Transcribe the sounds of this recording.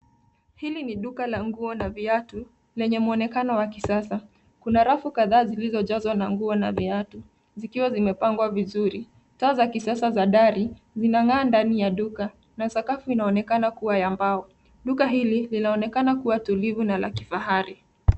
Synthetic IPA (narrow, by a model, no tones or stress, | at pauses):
hiliniɗukalaŋɡuɔnaviatu | lɛɲɛmuɔnɛkanɔwakisasa | kunaɾafukaðaːzilizɔʄazwanaŋɡuɔnaviatu | zikiwazimɛpaŋɡwavizuɾi | taːzakisasazaɗaɾi | zinaŋaːndanijaɗuka | nasakafuinaɔnɛkanakuwajambaɔ | ɗukaɦililinaɔnɛkanakuwatulivunala̰ki̥faɦaɾi